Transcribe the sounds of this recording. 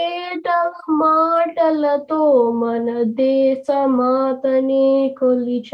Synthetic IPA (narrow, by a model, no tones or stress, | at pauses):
eʈɐmaːʈɐlɐt̪omɐnɐd̪eːsɐmaːt̪ɐnikolit͡ʃʰ